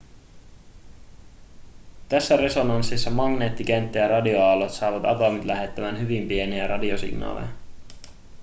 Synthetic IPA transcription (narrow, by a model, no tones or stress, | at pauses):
t̪æsːære̞so̞nɑnsːisːɑmɑŋne̞ːt̪ːik̟e̞nt̪ːejɑɾrɑdioɑlot̪sɑːʋɑt̪ɑ̰t̪omit̪læɦe̞t̪ːæmænɦyʋimpie̞niæɾɑdiosḭɡnɑ̰ːlḛjɑ